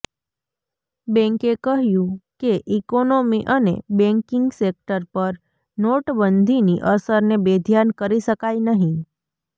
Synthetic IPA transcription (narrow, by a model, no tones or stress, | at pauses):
bɛ̃ŋkekəɦjũkeʔikonomiʔənḛbɛ̃ŋkɪŋɡsek̚ʈəɾpəɾ | noʈbənd̪ʱiniʔəsəɾnebed̪ʱjankəɾiʃəkajnəɦĩ